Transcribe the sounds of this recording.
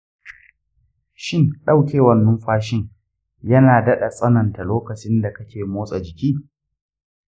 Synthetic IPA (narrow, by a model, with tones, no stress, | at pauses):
ʃɪ˦ŋɗɐ˦˨wkʲeː˦wɐ˨nːʊ˦mɸaː˦ʃɪ˦ŋ | jɐ˦naː˨dɐ˦ɗa˨sʼɐ˦nɐ˨nta˨loː˦kɐ˨t͡ʃɪ˦nda˨kɐ˦kʲeː˨moː˦sʼa˨d͡ʒɪ˨kʲiː˦